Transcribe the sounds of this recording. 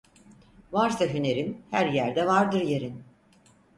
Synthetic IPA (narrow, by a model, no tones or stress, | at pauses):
vaɾsaɦyne̞ɾinhæɾjæɾd̪ɛvaɾd̪ɯɾjeɾin